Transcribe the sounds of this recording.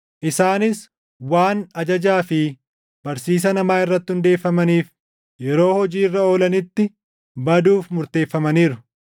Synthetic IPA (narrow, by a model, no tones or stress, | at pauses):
ʔɪsaːnɪs | waːnɐd͡ʒɐd͡ʒaːfɪ | b̥ɐɾsiːs̬ɐnɐmaːɪrːɐt̪ːɪhʊnd̪e̞ːfːɐmɐniːf | jɛɾo̞ːhɔd͡ʒiːrːɐo̞ːlɐnɪt̪ːɪ | bɐd̪uːfmʊɾt̪e̞ːfːɐmɐniːɾʊ